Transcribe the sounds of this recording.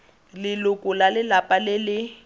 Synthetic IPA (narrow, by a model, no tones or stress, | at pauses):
lɪlʊkʼʊlalɪlapʼalɪlɪ